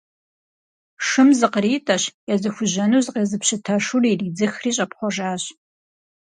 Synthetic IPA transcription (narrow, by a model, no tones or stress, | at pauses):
ʂɨmzɨqəɾiːtʼɐɕjɛzɨxʷʊʑɐnuzqeːzɨpɕɪtʰɐʃuriːriːd͡zɨxriːɕʼɐpχʷɔʒaːɕ